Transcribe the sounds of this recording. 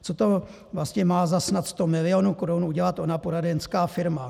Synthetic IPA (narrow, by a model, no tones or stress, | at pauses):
t͡sot̪o̞ | vlastɲɛmaːzasnat̪st̪omɪlɪo̞nukoɾunuɟɛlat̪ʔo̞napoɾadɛnskaːfɪɾma